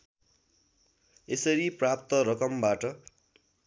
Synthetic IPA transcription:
esʌɾiprap̚t̪ʌɾʌkʌmbaʈʌ

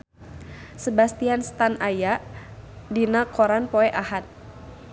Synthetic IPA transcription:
səbast̪ianst̪anajaʔdinakoɾanpoɛʔahat̪̚

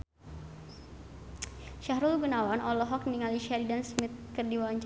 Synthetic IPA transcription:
ʃahɾulɡunawanɔlɔɦɔk̚niŋaliʃaɾidansmit̪̚kərdiwaaɲt͡ʃ

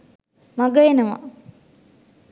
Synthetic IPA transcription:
maɡəenəʋa̰

